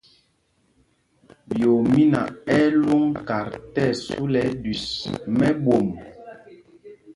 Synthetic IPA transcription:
bjo˨mi˦na̰˨ɛ˦lu˦ŋka˨ɾtɛ˦˨su˦lɛ˨˦di˨smɛ˦bo˨m

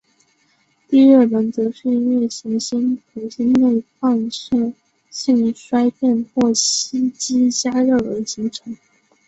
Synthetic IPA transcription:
t̪i˥˧ɻə˥˩lə˧˥nt͡sɤ˧˥ʂi˥˧nɥɛ˥˩ɕi˧˥ŋɕi˥ntʰu˧˥ɕi˥nne˥˩˧ɪfa˥˧nʂɤ˥˧ | ɕi˥˧ŋʂwa˥ɪpjɛ˥˧nxwɔ˥˩ɕi˥t͡ɕi˥t͡ɕja˥ɻɤ˥˩ə˧˥ɕi˧˥ŋʈ͡ʂʰɤ˧˥ŋ

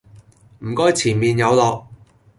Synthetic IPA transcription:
m̩˨˩kɔː˥jt͡sʰiː˨˩nmiː˨njɐ˨˧wlɔː˨˧k̚

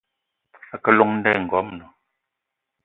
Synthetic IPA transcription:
a˨kɛ˨lu˨ŋn̩˦dɛ˦˨ŋ̩˨ɡɔ˨˦mnɔ˨

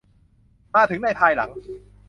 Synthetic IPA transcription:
maː˧t̪ʰɯ˩˦ŋna˥˩pʰaː˧jla̰˨˩˦ŋ

